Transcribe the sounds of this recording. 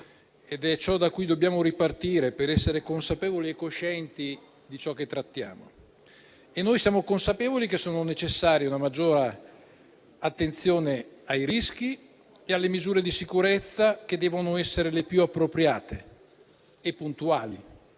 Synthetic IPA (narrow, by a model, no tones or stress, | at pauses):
ed̪ɛt͡ʃɔd̪akːujd̪obːjaːmoɾipart̪iːɾepeɾɛsːeɾekonsapeːvoliekːoʃɛnt̪i | d̪it͡ʃɔkːet̪ːɾat̪ːja̰ːmo̰ | enːoːjsjaːmokonsapeːvolik̟esːoːnonet͡ʃesːaːɾjeunamad͡ʒːoːɾa | at̪ːent̪sjoːneajɾisk̟i | ealːemizuːɾed̪isikuɾet̪sːak̟ed̪ːɛːvonoɛsːeɾelepjuapːɾopɾjaːt̪eː | pːunt̪uaːli